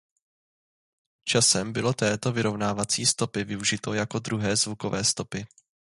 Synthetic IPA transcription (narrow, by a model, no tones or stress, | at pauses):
t͡ʃasɛmbɪlo̞t̪ɛːt̪o̞vɪɾo̞vnaːvat͡siːst̪o̞pɪvɪuʒɪt̪o̞jako̞d̪ɾuɦɛːzvuko̞vɛːst̪o̞pɪ